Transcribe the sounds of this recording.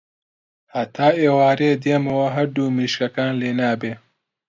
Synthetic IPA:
hat̪ʰaːʔeːwaːɾeːd̪eːmɐwɐɦɐɾd̪uːmiːʃkɐkaːnleːnaːbeː

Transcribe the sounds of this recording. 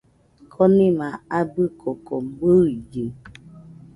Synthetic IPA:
kʰɔnimaabikʰɔkɔm̩ɡ͡boid͡ʒe

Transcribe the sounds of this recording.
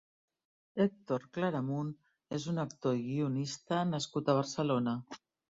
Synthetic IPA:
ek̚t̪oɾklaɾamun | ezunəkt̪oiɣiunist̪ənaskut̪əβ̞əɾsəlona

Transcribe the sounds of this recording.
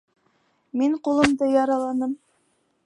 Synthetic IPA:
miɴqulˠɤ̆md̪ɤjɑɾɑlˠɑnɤm

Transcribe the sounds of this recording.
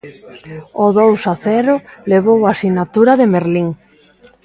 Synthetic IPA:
oðowsaθɛɾʊleβ̞owasinat̪uɾaðemeɾliŋ

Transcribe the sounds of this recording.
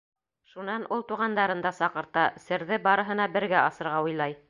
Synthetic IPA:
ʃunɑnulˠt̪uʁɑnd̪ɑɾɤ̆nd̪ɑsɑqɤ̆ɾt̪ɑsɘ̆ɾðɘbɑɾɤ̆ɦɤ̆nɑbɘ̆ɾɡæɑsɤ̆ɾʁɑujlˠɑj

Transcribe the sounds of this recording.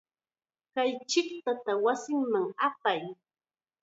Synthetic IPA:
kajt͡ʃɪkt̪at̪awasɪŋmaŋapaj

